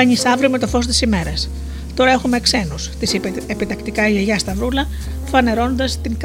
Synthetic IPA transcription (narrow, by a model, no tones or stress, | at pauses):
ɐɲisɐvɾiome̞t̪o̞fo̞s̬t̪i̥sime̞ɾɐs | t̪o̞ɾɐe̞xume̞kse̞nust̪isepit̪ɐkt̪ikɐʝeʝɐst̪ɐvɾulɐ | fɐne̞ɾo̞no̞nd̪ɐst̪iŋk